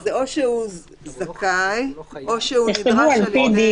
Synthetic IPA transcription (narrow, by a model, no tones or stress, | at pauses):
zeoʃeu | zakajoʃeuniχtevualpid̪i